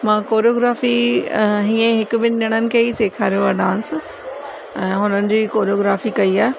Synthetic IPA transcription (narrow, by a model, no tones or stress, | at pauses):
mãːkoːɾijoːɡɾaːfiɦiːẽɦɪkʊ̆bɪnɪɗɐɽ̃ənɪ̆kʰeːiːseːkʰaːɾijoaːɗãːns | ɛ̃ːɦʊnənɪ̆d͡ʑiːkoːɾjoːɡɾaːfikɐiaːɦe